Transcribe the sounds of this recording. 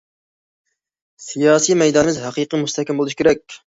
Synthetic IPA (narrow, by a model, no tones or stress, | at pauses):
sijɑːsimɛjd̪ɑnmɪzɦæqʰiqʰimust̪ʰɛkʲʰːɛmbolˠuʃkʲeɾɛkʲ